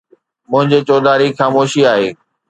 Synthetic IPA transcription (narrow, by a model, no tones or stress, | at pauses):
mʊ̃ɦɪ̃ɲd͡ʑet͡ɕɔːd̪aːɾixaːmoːʃiaːɦeː